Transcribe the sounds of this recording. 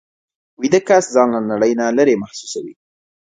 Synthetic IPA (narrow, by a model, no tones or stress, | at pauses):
wid̪əkaszɑnlanaɽəjnaləɾemahsu̥sawḭ